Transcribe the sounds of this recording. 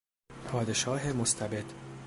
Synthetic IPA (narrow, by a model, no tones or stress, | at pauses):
pʰɒːd̪e̞ʃɒːɦemost̪ʰæbe̞d̪